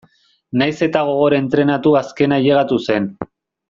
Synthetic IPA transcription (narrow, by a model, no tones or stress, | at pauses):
najse̞t̪aɣ̞o̞ɣ̞o̞ɾaent̪ɾe̞nat̪uaske̞naʎe̞ɣat̪use̞n